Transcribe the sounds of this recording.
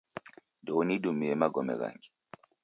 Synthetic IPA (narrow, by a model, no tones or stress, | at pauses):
ndɔuniɗumiɛmaɡɔmɛ̰ɣa̰ŋɡi